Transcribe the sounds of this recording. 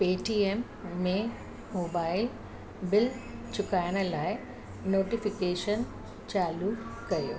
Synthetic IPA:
peːʈiemː | e | mobaːjl | bilt͡ʃukaːjɐɳɐlaːj | noːʈipikeːʂɐn | t͡ʃaːlukɐjṵ

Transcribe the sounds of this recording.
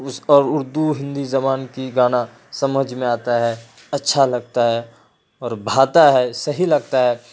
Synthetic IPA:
ʊɔːɾʊɾd̪uɦɪ̃nd̪izɐmaːnkiɡaːna | sɐməd͡ʒʱmẽaːt̪aɦɛ | ɐtːʃʰalɐɡ̚t̪aɦɛ | ɔːɾbʱaːt̪aɦɛsɐɦilɐɡ̚t̪aɦɛː

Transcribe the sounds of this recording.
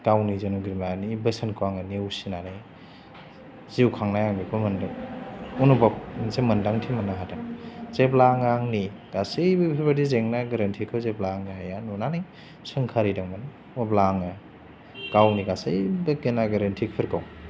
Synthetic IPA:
kawnizenuɡiɾmlanibɐsankʰuaŋɯniwsinanɯj | ziwkʰaŋnajaŋbikʰumɐndɯŋunubap̚nsemɐndaŋtʰimɐnːaɦatʰaŋzeplaŋaŋniɡasɯjbpʰibadizeŋnaɡɐɾɐntʰikʰɯwzeplaŋɦajanɔnanɯj | sɯŋkʰaɾidaŋman | wablaŋɯ | kawniɡasɯjbɯkenaɡɐɾɐntʰikʰɯɾkʰaw

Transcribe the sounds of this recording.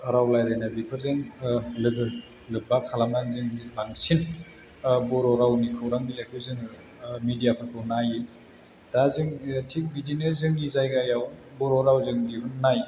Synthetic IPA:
aɾawlajdajnabipʰɯɾzɯŋlɯɡɯ | lɯbakʰalamazɯŋzilaŋsin | bɔɾɔɾawnikʰɯwɾaŋbilakʰɯzɯŋ | midijapʰɯɾkʰɯwnaji | d̥azɯŋtʰik̚bidinɯzɯŋːizajɡajaw | bɔɾɔɾawzɯŋdiɦunːaj

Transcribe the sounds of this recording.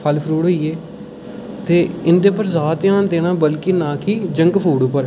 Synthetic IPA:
pʰəlpʰɾuːɽɦoːieː | t̪eːɪnd̪eːpəɾzaːt̪ːãːnd̪eːɽ̃ãːbəlkɪnãːkiːd͡ʒəŋɡpʰuːɽʊpəɾ

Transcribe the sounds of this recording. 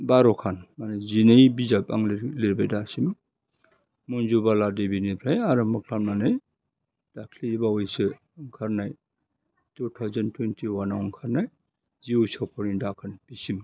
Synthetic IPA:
baɾɔkʰanmanezinejbizap̚a̰ŋlleɾbajdasim | munzubaladebinipʰɾajaɾɯmɯkʰlamnanɯj | d̥akʰlibaɔjsɯ | ŋkʰaɾnaj | tutʰawzantʰwentʰiwanawŋkʰaɾnaj | ziusawpʰɔɾindakʰanb̥isim

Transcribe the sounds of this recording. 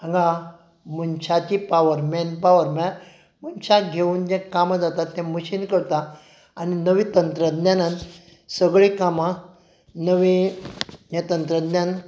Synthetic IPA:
ãŋɡã | munt͡ɕʰat͡ɕipaʋəɾmɛnpaʋəɾmɛ | munt͡ɕʰaɡʱeuːnd͡ʑɛ̃kamad͡zat̪at̪ːɛ̃məɕiːnkəɾt̪a | aninəʋĩt̪ənt̪ɾəd̪njanãn | səɡɭikamã | nəʋi | jẽt̪ənt̪ɾəd̪njan

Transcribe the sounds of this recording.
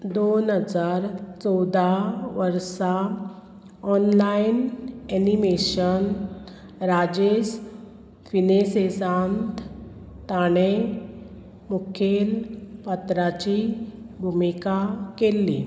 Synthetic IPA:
d̪onɦəd͡zaɾt͡sɔwd̪ʱaʋəɾsa | ɔnlainɛnimeɕən | ɾad͡ʑes | finesesãnt̪ | t̪aɽ̃e | mukʰelpat̪ɾat͡ɕi | bʱumikakelːi

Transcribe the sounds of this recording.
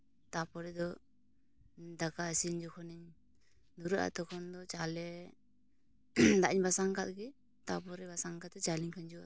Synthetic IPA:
t̪apɔɾɛd̪ɔ | d̪akaəsiɲd͡ʒɔkʰɔniɲ | d̪uɾuʔa̰t̪ɔkʰɔnd̪ɔt͡ʃalɛ | d̪aʔiɲbasaŋkat̪̚ɡi | t̪apɔɾɛbasaŋkat̪ɛt͡ʃaliɲkʰaɲd͡ʒua̰

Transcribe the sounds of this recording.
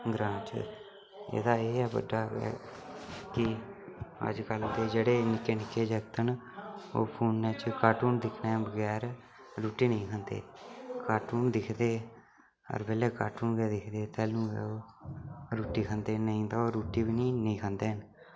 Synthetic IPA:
ɡɾãːt͡ʃ | ḛːd̪aːeːɛːbə̰ɖːaːɛ̰ | kɪ | ə̰d͡ʒkəld̪eːd͡ʒeːɽeːnɪkːeːnɪkːeːd͡ʒəɡt̪ən | o̰ːpʰuːnːeːt͡ʃkaːʈuːnd̪ɪkʰnaːɛ̃bəɡɛːɾ | ɾuːʈiːnəĩːkʰənd̪ḛːkaːʈuːnd̪ɪkʰd̪eː | ə̰ɾbeːlɛːkaːʈuːnɡɛːd̪ɪkʰd̪eːt̪ɛːlũːɛ̰oː | ɾuːʈiːkʰənd̪eːnəĩːd̪aːoːɾɾuːʈiːbiːniːnəĩːkʰənd̪eːɦən

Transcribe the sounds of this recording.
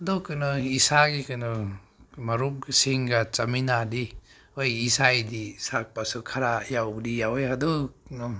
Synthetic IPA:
dɔkːɯnɔisaɡikɯnɯ | maɾum̚siŋɡat͡ʃaminadi | ojisajdisak̚pasukʰaɾajawdijawejadɔknɔ

